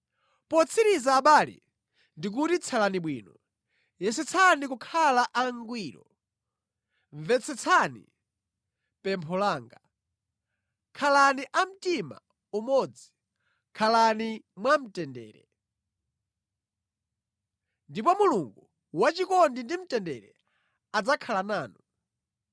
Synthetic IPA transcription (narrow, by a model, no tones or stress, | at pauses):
pɔt͡sʰiɾizaːɓaːlḭ | ndik̬utit͡sʰalaniɓwḭːnɔ | jɛsɛt͡sʰanik̬ukʰalaʔaŋɡwiːɾɔ̰ | ɱvɛt͡sʰɛt͡sʰanḭ | pɛmpʰɔlaːŋɡa | kʰalaniʔam̩tima̰ | umɔd͡zi | kʰalanimwam̩tɛndɛ̰ːɾɛ̰ | ndipɔmuluŋɡu | wat͡ʃikɔndindim̩tɛndɛɾɛ̰ | ad͡zakʰalanaːnu